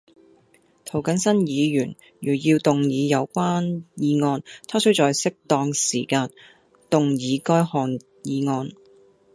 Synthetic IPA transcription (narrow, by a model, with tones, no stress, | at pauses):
t̪ʰo˨˩wkɐ˨˥nsɐ˥njiː˨˧jyː˨˩n | jyː˨˩jiː˧wt̪ʊ˨ŋjiː˨˧jɐ˨˧wkʷaː˥njiː˨˧ŋɔː˧nt̪ʰaː˥sɵ˥wt͡sɔː˨jsɪ˥k̚t̪ɔː˧ŋsḭː˨˩kaː˧n | t̪ʊ˨ŋjiː˨˧kɔː˥jhɔː˧n | jiː˨˧ŋɔː˧n